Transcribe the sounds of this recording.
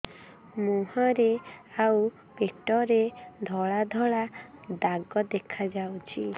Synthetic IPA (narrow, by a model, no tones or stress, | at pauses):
muɦɔɾeau | peʈɔɾed̪ʱɔɭad̪ʱɔɭad̪aɡɔd̪ekʰad͡ʒawt͡ʃʰi